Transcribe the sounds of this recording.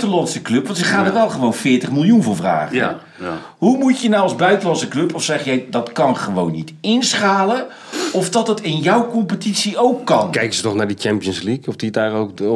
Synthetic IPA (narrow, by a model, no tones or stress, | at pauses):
təlɑnsəklɵpʋɑntɪkχaːndərʋɛlˠχəʋownfɪːɹtəχmɪlˠjunvʊːɹvra̰ːχə | ɦumutjənawɑlzbœɥtəlɑnsəklɵpɔfsɛχjɛjdɑtkɑnχəʋownːitɪnsχaːlə | ɔfdɑtətɪnjɔwkɔmpətisiowkːɑnkɛjkəzətɔχnaːɹdit͡ʃɛmpijənslikɔfdidaːrok